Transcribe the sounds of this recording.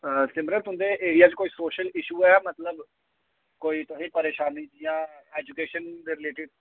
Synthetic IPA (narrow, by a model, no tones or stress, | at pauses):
əsɪmbɾət̪ɦʊ̃nd̪eːʔeːɾijaːt͡ʃkoːiːsoːʃəlɪʃuːɛːmət̪ləb | koːiːt̪oɦĩːpəɾeːʃaːnĩːd͡ʒijãːɛːd͡ʒukeːʃənd̪eːɾɪleːʈɪɖ